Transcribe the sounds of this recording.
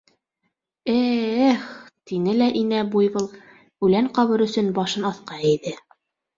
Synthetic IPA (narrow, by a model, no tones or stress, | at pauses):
æχt̪inɘlæʔinæbujβɤlˠ | ʉlæɴqɑβɤɾɵ̆sɵnbɑʃɤnɑθqɑĕjðɘ